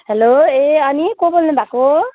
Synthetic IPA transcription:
ɦeloeʌnikobolnubʱako

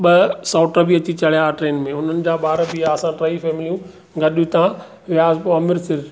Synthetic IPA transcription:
ɓɐsaːʈəbiɐt͡ɕit͡ɕɐɽ̤ijaʈɾeːnmẽʊn̤ənɪ̆d͡ʑaːɓaːɾəbijaɐsãʈɾaːifɛːmɪlijũ | ɡɐɗjũt̪ã | ʋɪjaːzpoɐmɪɾsɪɾ

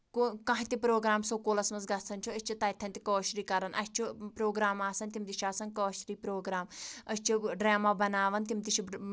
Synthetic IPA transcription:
kukɐ̃ɦit̪ipɾoːɡɾaːmsokoːlɐsmɐnzɡɐsɐnʲt͡ʃʰuɐsʲt͡ʃʰit̪ɐt̪ʰɐnʲt̪i̥koːʃɾiːkɐɾɐnʔɐ̰sʲt͡ʃʰipɾoːɡɾaːmaːsɐnt̪imt̪iʃaːsɐnkoːʃɾiːpɾoːɡɾaːmɐsʲt͡ʃʰiɖɾaːmaːbɐnaːʋɐnt̪imt̪iʃʰi

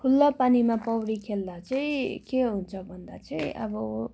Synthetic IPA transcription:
kʰulːʌpanimapʌwɾikʰeld̪at͡sʌĩkeɦunt͡sʰʌbʱʌnd̪a̰t͡sʌĩʔʌ̰bʌ

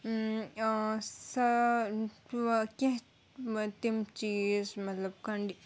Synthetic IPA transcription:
sɐ | keɦ | t̪imt͡ʃiːzmɐt̪lɐb̚kɐɳɖi

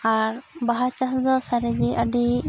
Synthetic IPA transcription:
aɾbaɦat͡ʃasd̪ɔsaɾɛd͡ʒiʔəɖi

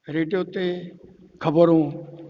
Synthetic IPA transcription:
ɾeːɖijoːt̪eː | kʰəbəɾõː

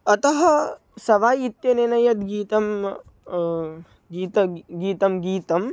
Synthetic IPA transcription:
ɐt̪ɐɦɐ̆ | sɐʋaːjit̪jɐnenɐjɐt̪ɡiːt̪ɐm | ɡiːt̪ɐɡiːt̪ɐmɡiːt̪ɐm

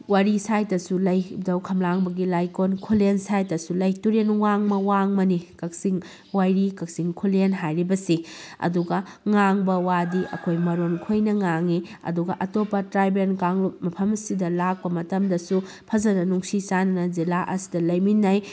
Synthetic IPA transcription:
waɾisajtɐsulɐjdɐwkʰɐmlaŋbɐɡilajkonkʰulensajtɐsulɐjtuɾenwaŋmɐwaŋmɐnikɐk̚siŋ | wajɾikɐk̚siŋkʰulenɦajɾibɐsiɐ̰duɡɐŋaŋbɐwadiʔɐ̰kʰojmɐɾonkʰojnɐŋaŋiɐ̰duɡɐʔɐtopɐtɾajbenkaŋlop̚mɐpʰɐmɐsidɐlak̚pɐmɐtɐmdɐsu | pʰɐzɐnɐnuŋsisanɐnɐzilaʔɐ̰si̥dɐlɐjminːaj

